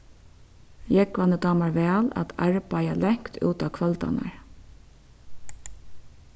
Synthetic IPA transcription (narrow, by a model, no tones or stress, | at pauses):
jɛkʋanəd̪ɑːmaɹʋɛːla̰t̪aɹpajalɛŋ̥kt̪ʰṵːt̪akʰvœlt̪a̰na̰ɹ